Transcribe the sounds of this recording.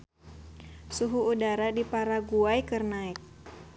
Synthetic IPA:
suɦuːdaɾadipaɾaɡuajkərnaɪk̚

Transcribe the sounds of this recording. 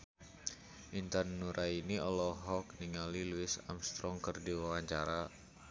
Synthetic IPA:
ʔint̪anːuɾʔainiɔlɔɦɔkniŋaliluɪsa̰mst̪ɾɔŋkərdiwawaɲt͡ʃaɾa

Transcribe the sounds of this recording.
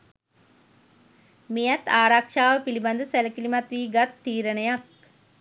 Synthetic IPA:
mijat̪aːɾakʂaːʋəpiliband̪əsæləkilimat̪ʋiːɡat̪ːiːɾənəjak̚

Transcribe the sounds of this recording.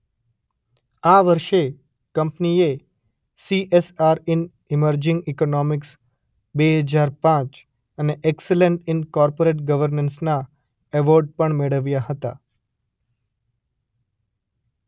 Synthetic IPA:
aʋəɾʃe | kəmpnie | siʔesaɾɪn | ɪməɾd͡ʒɪ̃ŋɡikonɔmɪks | beɦəd͡ʒaɾpãt͡ʃ | əneʔɛkseleɳʈɪnkɔɾpoɾeʈ̚ɡəʋəɾnənsna | eʋoɾɖ̚pəɳmeɭəʋjaɦət̪a̰

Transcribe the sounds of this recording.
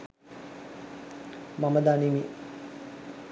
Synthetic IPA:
maməd̪animi

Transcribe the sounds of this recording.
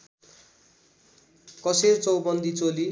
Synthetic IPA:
kʌsert͡sʌwbʌnd̪it͡soli

